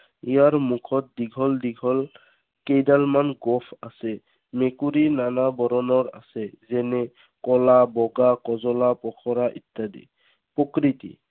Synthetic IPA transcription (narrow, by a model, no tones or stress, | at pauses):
ijaɹmukʰɔt̚diɡʱɔldiɡʱɔl | kejdalmanɡɔpʰa̰sɛ | mekuɾinanabɔɾɔnɔɹa̰sɛzɛnɛ | kɔlabɔɡakɔzɔlapɔkʰɔɾaʔitːadḭ | pɔkɾitḭ